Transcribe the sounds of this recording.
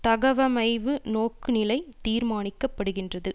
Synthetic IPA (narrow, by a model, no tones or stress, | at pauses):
t̪ɐɣɐʋɐmɐɪʋɯnoːkːɯnɪlɐɪt̪iːɾmaːnɪkːɐpːɐɽɯɣɪndrɐðɯ